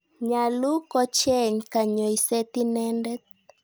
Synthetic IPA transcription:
ɲa˨lu˦kɔ˦t͡ʃɛ˦˨ɲka˨ɲɔ˨i˨sɛ˦t̪i˦nɛ˦ndɛ˦t̪̚

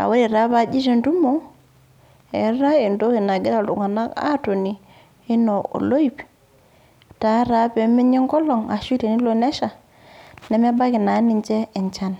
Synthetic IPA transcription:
a̰˨we˦ɾi˨ɾa˦ba˦d͡ʒi˦ʃe˦˨ndu˦mo˦ | e˨˦ɾa˦i˨ndo˦ki˨na˨ɡi˦da˨ṵ˨ŋa˨na˦ka̰˦to˨ni˨ | i˦no˨o̰˨lo˦i˨p | ta˨˦ɾa˦be˨mi˦ɲi˦ŋɡɔ˦lɔ˨ŋa˨ʃi˦te˨ni˦lo˦˨ne˦ʃa˨ | nɛ˨m˦e˦ba˦ki˨na˨˦ni˨nd͡ʒɛ˦ɛ˨nt͡ʃa˦n

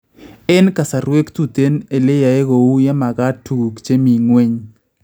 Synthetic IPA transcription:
ɛ˦nka˨sa˨ɾwe˦kt̪u˨t̪e˦ne˨le˦ja˨e˦ɣo˨u˦ja˦ma˨ɣa˦tːu˨ɡu˨kt͡ʃe˦mi˨ŋwe˦ɲ

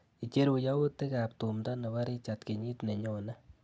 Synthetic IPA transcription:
i˨t͡ʃe˦ɾu˨ja˦wu˦tːe˦ka˨p̚tu˨mda˦ne˨wa˦ɾi˦t͡ʃa˨tke˨ɲi˦tne˨ɲo˨na˦

